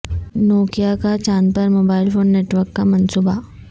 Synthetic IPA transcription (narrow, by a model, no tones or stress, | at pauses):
noːkijakat͡ʃaːnpɐɾmoːbaːɪlpʰõːnːeːʈʋəɾkːamɐnsuːba